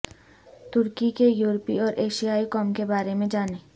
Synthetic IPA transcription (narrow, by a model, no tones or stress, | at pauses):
t̪uɾkikejuɾopioɾeʃiaekɔmkebaɾemed͡ʑane